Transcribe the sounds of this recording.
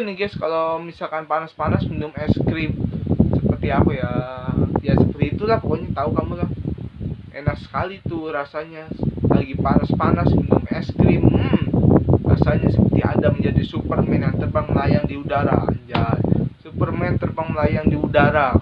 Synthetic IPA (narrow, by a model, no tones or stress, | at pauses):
niɡɛskalomisalkanpanaspanasminʊmɛskɾimsəpərt̪iapaja | jasəpərt̪iːt̪ulahpkoɲat̪aukamulah | enak̚sə̥kalit̪uɾasaɲalaɡipanaspanasminʊmɛskɾim | ra̰saɲasəpərt̪ia̰daməɲd͡ʒadisupərmɛnjaŋt̪ərbaŋməlajaŋdiudaɾa̰a̰ɲd͡ʒasupərmɛnt̪ərbaŋməlajaŋdiudaɾa